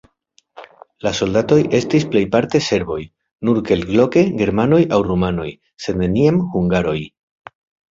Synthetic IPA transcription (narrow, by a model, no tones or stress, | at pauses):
laso̞ldato̞jʔe̞stisple̞jpaɾte̞se̞ɾbo̞j | nuɾke̞lɡlo̞ke̞ɡe̞ɾmano̞jawrumano̞̰j | se̞d̪ne̞niamhuŋɡaɾo̞j